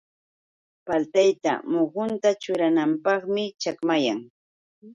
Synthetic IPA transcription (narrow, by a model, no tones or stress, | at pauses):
palt̪ajt̪a̰moχʊnt̪at͡ʃʊɾanampɑχmɪt͡ʃakmajaŋ